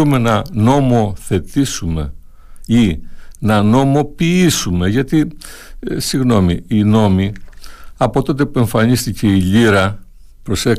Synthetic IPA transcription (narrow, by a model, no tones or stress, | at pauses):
ume̞nɐno̞mo̞θe̞t̪isume̞̰ | inɐno̞mo̞piisume̞ʝɐt̪i | siɣno̞miːno̞mi | ɐpo̞t̪o̞t̪̬e̞pue̞ɱfɐɲist̪ice̞iʎiɾɐ | pɾo̞se